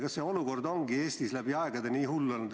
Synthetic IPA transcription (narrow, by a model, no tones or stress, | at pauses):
kɑsseo̞luko̞rd̪o̞ŋɡieːst̪islæb̥iɑeɡ̥ɑd̪eniːhulːond̪